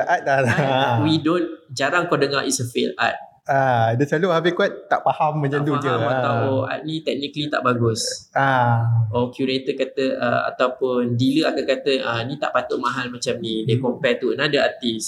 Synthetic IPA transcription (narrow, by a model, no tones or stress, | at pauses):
ʔat̪̚daɾawidond͡ʒaɾaŋkodəŋaʔisəfela̰t̪̚ | adəsaluhabikuat̪̚ːaʔpahamːəɲd͡ʒad̪ud͡ʒuat̪aʔoa̰t̪̚nĩt̪ɛk̚nikəlit̪a̰ʔbaɡʊsaokjuɾet̪əkat̪əʔə̰a̰t̪awpʊndiləakankat̪əʔənĩt̪a̰ʔpat̪ʊʔ̚mãɦalmat͡ʃamnidəkɔmpɛt̪uənadəat̪is